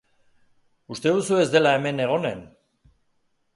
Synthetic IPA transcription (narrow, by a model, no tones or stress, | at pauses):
ust̪e̞ðusue̞zd̪e̞lae̞me̞ne̞ɣ̞o̞ne̞n